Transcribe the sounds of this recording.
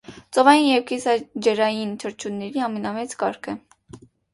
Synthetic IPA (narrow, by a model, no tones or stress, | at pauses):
t͡sɔvɑjinjɛvkɛsɑd͡ʒɛɾɑjint̪ʰəɾt͡ʃʰunːɛɾiɑmɛnɑmɛt͡skɑɾkʰɛ